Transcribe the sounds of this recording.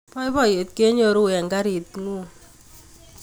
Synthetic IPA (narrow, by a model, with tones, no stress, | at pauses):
pɔ˦i˦bɔ˦˨je˨t̚ke˦ɲo˨ɾu˦ɛ˨ŋɡa˦ɾi˨tŋu˦